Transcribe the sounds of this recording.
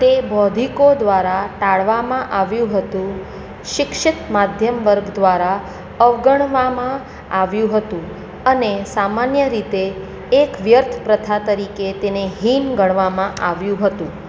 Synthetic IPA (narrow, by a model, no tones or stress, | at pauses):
t̪ebɔd̪ʱikod̪ʋaɾaʈaɭʋamãʔaʋjũɦət̪ũ | ʃɪkʃɪt̪mad̪ʱjəmʋəɾɡd̪ʋaɾa | əʋɡəɽʋamã | aʋjũɦət̪ũ | ənesamanjəɾit̪eː | kʋjəɾt̪ʰpɾət̪ʰat̪əɾiket̪eneɦinɡʱəɽʋamãʔaʋjũɦət̪ũ